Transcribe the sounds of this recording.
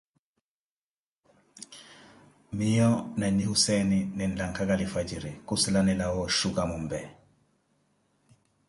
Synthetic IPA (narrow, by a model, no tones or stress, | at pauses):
mijɔnaɲihusɛnininlaŋkakalifad͡ʒiɾikuslanɛlawɔʃukamumbɛ